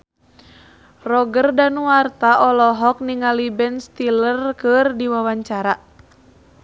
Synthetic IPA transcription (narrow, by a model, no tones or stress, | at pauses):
rɔɡərdanuwart̪aʔɔlɔɦɔk̚niŋalibɛnst̪ilərkɨrdiwawaɲt͡ʃaɾa